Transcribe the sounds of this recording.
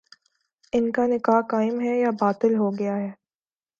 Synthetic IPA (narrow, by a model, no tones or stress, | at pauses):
ɪnkanɪkaːɦkaːɪmɦɛjabaːt̪ɪlɦoɡɐjaɦɛː